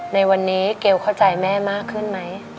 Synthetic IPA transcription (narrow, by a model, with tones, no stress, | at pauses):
na˧jwa˧nːiː˦˥ke˧˩wkʰa˥˩wt͡ɕa˧jmɛː˥˩maː˥˩kʰːɯ˥˩nma˦˥j